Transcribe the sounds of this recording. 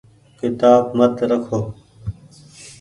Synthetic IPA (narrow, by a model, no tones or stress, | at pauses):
kɪt̪aːbmət̪ɾəkʰoː